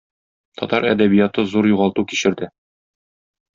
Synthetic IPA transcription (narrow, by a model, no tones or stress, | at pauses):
t̪ʰɒt̪ɑɾæ̰d̪æbijɑt̪ɤzuɾjuʁɑlˠt̪ukiɕɘ̆ɾd̪ɘ